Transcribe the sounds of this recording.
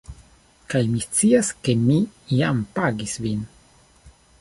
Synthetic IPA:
kajmist͡siaske̞mijampaɡisvin

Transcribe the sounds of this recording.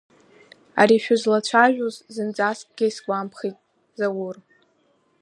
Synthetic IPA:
a̰ɾiʃᶣʊzlat͡ɕʷʰaʒᶣuzzɨnt͡sʼaskʼɡ̥ʲajsɡʷʼampʰχitʼ | zawʊr

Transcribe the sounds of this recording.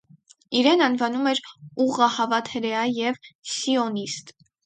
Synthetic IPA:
iɾɛnɑnvɑnumɛɾuʁɑhɑvɑt̪ʰɛɾɛɑjɛvsiɔnist̪

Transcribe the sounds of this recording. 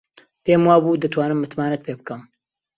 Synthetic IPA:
peːmwaːbuːd̪ɨt̪waːnɨmːɨt̪maːnɐt̪̚pʰebɨkɐm

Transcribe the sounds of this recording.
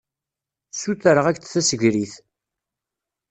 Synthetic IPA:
suθəɾəʁækθθæsəʝɾiθ

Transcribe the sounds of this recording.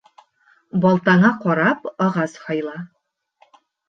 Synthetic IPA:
bɒlˠt̪ɑɴɑqɒɾɑpɒʁɑshɒjlˠɑ

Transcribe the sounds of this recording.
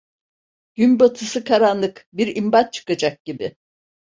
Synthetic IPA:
ɟ̥ynbat̪ʰɯsɯkʰaɾanlˠɯkbiɾimbat̪̚t͡ʃʰɯ̥kad͡ʒak̚ɟ̥ibɪ

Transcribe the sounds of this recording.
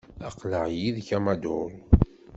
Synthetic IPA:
ɑqləʕjiðçæmad̪ʊɾ

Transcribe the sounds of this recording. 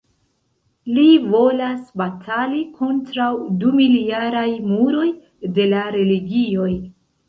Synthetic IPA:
livo̞lasbatʰalikʰo̞ntɾawdumiljaɾajmuɾo̞j | de̞laɾe̞liɡio̞j

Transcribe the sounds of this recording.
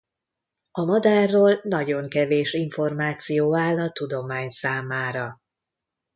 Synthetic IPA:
ɒmɒd̪aːrːoːlnɒɟo̞ŋkɛveːʃiɱfo̞rmaːt̪sijoːaːlːɒt̪ud̪o̞maːɲsaːmaːɾɒ

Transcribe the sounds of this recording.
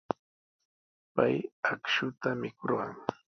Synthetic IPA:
pajakʃʊt̪amɪkʊɾɢɑŋ

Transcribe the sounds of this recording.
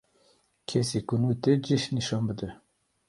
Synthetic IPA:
kʰesikunut̪ed͡ʒiʃniʃɑːnbɨd̪ə

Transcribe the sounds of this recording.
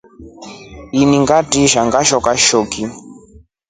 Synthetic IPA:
iniŋɡatiʃaŋɡaʃɔkaʃɔki

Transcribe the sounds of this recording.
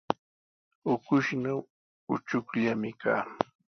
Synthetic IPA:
ʊkʊʃnaw | ʊt͡ʃʊkʎamɪkaː

